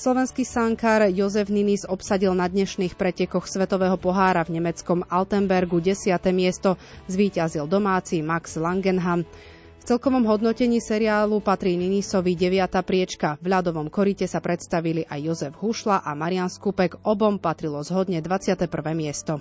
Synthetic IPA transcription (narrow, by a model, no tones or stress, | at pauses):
slɔʋɛnskisaŋkaɾjɔzɛvninizɔpsaɟilnad̪ɲɛʃniːxpɾɛcɛkɔxsʋɛt̪ɔʋɛːɦɔpɔɦaːɾavɲɛmɛt͡skɔmalt̪ɛmbɛɾɡuɟɛsɪat̪ɛːmɪɛst̪ɔ | zʋiːcazild̪ɔmaːt͡simaɡz̥laŋɡɛnɦam | ft͡sɛlkɔʋɔmɦɔd̪nɔcɛɲiːsɛɾiaːlupat̪ɾiːninisɔʋiɟɛʋɪat̪apɾɪɛt͡ʃkavʎad̪ɔʋɔmkɔɾicɛsapɾɛt̪st̪aʋiliʔajːɔzɛvɦuʃlaʔamaɾianskupɛɡɔbɔmpat̪ɾilɔzɦɔd̪ɲɛd̪ʋat͡sɪat̪ɛpr̩ʋɛːmɪɛst̪ɔ